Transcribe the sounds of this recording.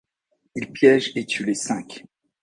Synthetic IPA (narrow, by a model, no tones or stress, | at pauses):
ilpjɛʒet̪ʰylesɛ̃kʲ